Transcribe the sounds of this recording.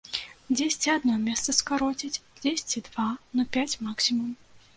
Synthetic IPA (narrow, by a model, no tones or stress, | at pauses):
d͡zʲesʲt͡sʲiad̪nɔmʲɛst̪sɐskaɾɔt͡sʲit͡sʲd͡zʲesʲt͡sʲid̪vanɐpʲat͡sʲmaksʲimum